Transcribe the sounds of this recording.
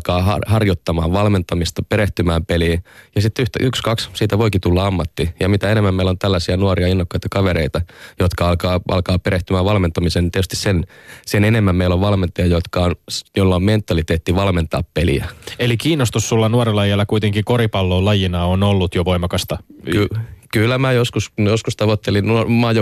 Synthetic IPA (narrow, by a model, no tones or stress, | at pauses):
kɑːɑ̰hɑrjot̪ːɑmɑːʋʋɑlment̪ɑmist̪ɑpeɾeht̪ymæːmpeliːjɑsit̪ːyht̪æykskɑkssiːt̪æʋoikit̪ulːɑɑmːɑt̪ːijɑmit̪æenemːæmmeilːont̪ælːæsiænuoriɑinːokːɑjt̪ɑkɑʋeɾeit̪ɑjot̪kɑɑlkɑːʔɑ̰lkɑːpeɾeht̪ymæːʋʋɑlment̪ɑmiseːnt̪et̪yst̪issensenenemːæmmeiloʋʋɑlment̪ɑjɑjot̪kɑonjolːɑomment̪ːɑlit̪eːt̪ːiʋɑlment̪ɑ̰ːppelḭæ̰elikiːnːost̪ussulːɑnuoɾelːɑjelːɑkuit̪eŋkikoɾipɑlːoːlɑjinɑonolːut̪joʋoimɑkɑst̪ɑkykylːæmæjoskusjoskust̪ɑʋot̪ːelinnumɑːjo